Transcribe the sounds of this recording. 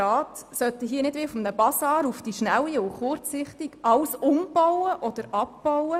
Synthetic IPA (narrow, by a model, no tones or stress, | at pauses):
ɑːtsœt̪əɦiːənɪdʋɪfɔmnəbɑsɑːɾufd̥iʃnæwiʊχʊɾt͡sɪχtiɡ̥ʔɑlsʊmb̥ɔwəʔɔd̥̪əɾɑp̚b̥ɔwə